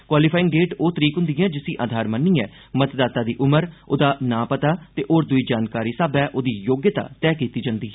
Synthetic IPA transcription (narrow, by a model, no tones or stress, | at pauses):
kwaːlipʰaːɪ̃ŋɡɖeːʈoːt̪əɾiːkɦʊ̃nd̪ɪ̃ãːd͡ʒɪsĩːʔaːd̪ʱaːɾmənːiːɛː | mət̪d̪aːt̪aːd̪iːʔʊməɾo̰ːd̪aːnãːpət̪aːt̪eːʔoːɾd̪ʊiːd͡ʒaːnkaːɾiːsaːbɛːʔoːd̪iːjoːɡjət̪a̰ːt̪ɛːkiːt̪iːd͡ʒãːnd̪iːɦɛ